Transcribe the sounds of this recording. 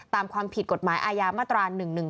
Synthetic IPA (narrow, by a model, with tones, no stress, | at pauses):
t̪aː˧mkʰwaː˧mpʰi˨˩t̪̚ko˨˩t̪̚maː˩˦jʔaː˧jaː˧maː˥˩t̪ɾaː˧nɯ˨˩ŋnɯ˨˩ŋ